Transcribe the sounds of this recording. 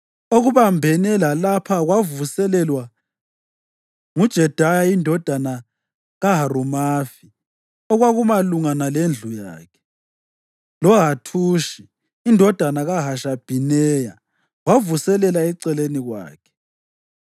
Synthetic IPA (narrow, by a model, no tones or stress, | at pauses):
oɣuβambʱɛnɛlalapʰaɣwavusɛlɛlwa | ŋud̥ʒ̥ʱɛd̥ʱajaindʱɔd̥ʱana | ɣaɦarumaːfi | ɔɣwaɣumaluŋanalend͡ɮʱuja̰ːkʰɛ̥ | lɔɣatʰuːʃiː | ndʱɔd̥ʱanaɣaɦaʃab̥ʱinɛja | ɣwavusɛlɛlaɛǀɛleniɣwa̰ːkʰɛ̥